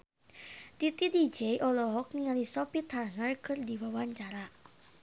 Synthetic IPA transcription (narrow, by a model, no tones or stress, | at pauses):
t̪it̪idid͡ʒejʔɔlɔɦɔk̚niŋalisɔpit̪ʰarnərkʰɨrdiwawaɲt͡ʃaɾa